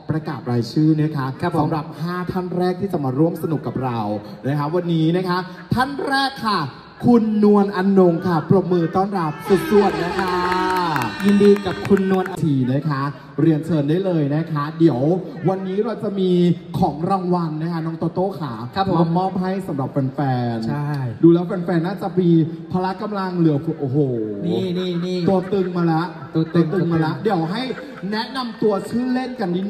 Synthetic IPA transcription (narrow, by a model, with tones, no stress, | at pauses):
pɾa˧kaː˨˩t̪̚ɾaː˧jt͡ɕʰɯː˥˩nɯ˦˥ɐkʰa˦˥˧sa˨˦mɾa˨˩p̚haː˥˩t̪ʰa˥˩nɾɛː˥˩k̚t̪ʰiː˥t͡ɕa˨˩maː˧ɾu˥˩əmsa˧nu˨˩kːa˨˩p̚ɾa˧wna˦˥kʰa˦˥wa˧nːiː˦˥na˦˥kʰa˦˥ | t̪ʰa˥˩nɾɛː˥˩kʰːa˥˩ | kʰu˧nːu˧ənʔa˧nːo˧ŋkʰa˥˩pɾo˨˩p̚mɯː˧t̪ɔː˥˩nɾa˨˩p̚su˨˩t̪̚su˨˩ət̪̚na˦˥kʰa˦˥ji˧ndiː˧ka˨˩p̚kʰu˧nːu˧ənʔa˧t̪ʰiː˨˩na˦˥jkʰa˦˥ | ɾi˧ənt͡ɕʰɤː˧ndaː˥˩jlɤː˧jna˦˥kʰa˦˥di˨˩˦əwwa˧nːiː˦˥ɾa˧wt͡ɕa˨˩miː˧kʰɔː˩˦ŋɾaː˧ŋwa˧nːa˦˥kʰa˦˥nɔː˦˥ŋt̪u˧ɐt̪oː˥˩kʰaː˩˦ɔ˧mɔː˥˩p̚ɦa˥˩jsa˨˩˦mɾa˨˩p̚fɛː˧nfɛː˧nt͡ɕʰa˥˩jduː˧lɛː˦˥wfɛː˧nfɛː˧nːaː˥˩t͡ɕa˨˩miː˧pʰaː˧la˦˥ʔka˧mla˧ŋlɯ˩˦ɐkʰu˧˩ʔoː˧˩ɦoː˨˩ni˥˩niː˥˩niː˥˩u˧t̪ɯ˧ŋmaː˧lɛ˦˥ʔt̪ːt̪ːt̪ɯ˧ŋmaː˧lɛ˦˥ʔdi˨˩˦əwɦa˥˩j | nɛ˦˥ʔna˧mt̪u˧ɐt͡ɕʰɯː˥˩le˥˩nka˧ndʰiː˥˩